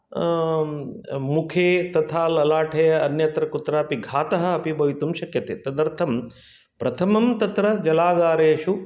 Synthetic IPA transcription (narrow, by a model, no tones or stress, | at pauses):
mukʰeːt̪ɐt̪ʰaːlɐlaːʈʰɐjɐɐnjɐt̪ɾɐkut̪ɾɐɐpiɡʱaːt̪ɐɦɐ̆ːpibɐjt̪umʃɐkjɐt̪ḛːt̪ɐd̪ɐɾt̪ʰɐm | pɾɐt̪ʰɐmɐmt̪ɐt̪ɾɐd͡ʒɐlaːɡaːɾejɐʃu